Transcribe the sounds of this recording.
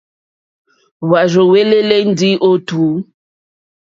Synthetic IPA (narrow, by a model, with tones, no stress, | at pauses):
wa˨ɾo˨we˦le˦le˦n̩˦di˦ʔo˦tu˨˦